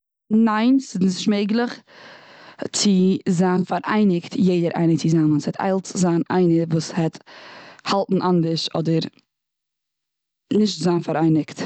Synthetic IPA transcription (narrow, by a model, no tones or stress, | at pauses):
naɪnsɪznɪsʃmeɪɡlˠəχ | t͡sɪzaːnfaɾʔa̰ɪnɪktjeɪdəɾʔa̰ɪnət͡sɪzaːmənshɛtʰa̰ɪlˠtzaːnʔa̰ɪnəvuːshɛt | halˠtn̩ʔandəʃɔdəɾ | nɪʃtzaːnfaɾaɪnɪkt